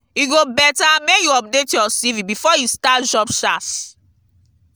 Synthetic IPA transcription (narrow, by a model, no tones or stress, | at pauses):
iɡobɛtamekjuɔp̚detjɔsivĩbifɔjistatʃɔpʃas